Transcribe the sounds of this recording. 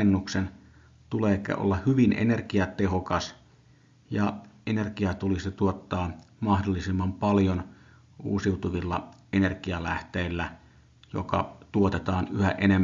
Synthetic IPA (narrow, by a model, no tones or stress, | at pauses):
enːuksen | t̪uleːkḛʔo̰lːɑhyʋinʔḛnerkiɑt̪ehokɑs | jɑʔenerkiɑt̪ulist̪uot̪ːɑːn | mɑhdolːisimːɑmpɑljon | ṵːsiut̪uʋilːɑ̰ʔenerkiɑlæht̪eˑilːæ | jo̰kɑ̰t̪uot̪et̪ɑːnyhæ̰ʔenemː